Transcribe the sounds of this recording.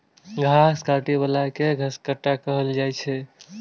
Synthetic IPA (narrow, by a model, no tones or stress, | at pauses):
ɡʱaskaʈibəlakeɡʱəskəʈːakəɦəld͡ʒajt͡ʃʰɛ